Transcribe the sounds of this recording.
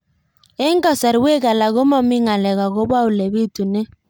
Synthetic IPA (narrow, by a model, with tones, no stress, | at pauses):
e˦ŋɡɔ˨sa˨ɾwe˦ɣa˨la˨ɣo˦mɔ˦mi˦ŋa˨lɛ˨ɣa˨ɣo˦ba˦u˨lɛ˨βi˦tu˨nɛ˦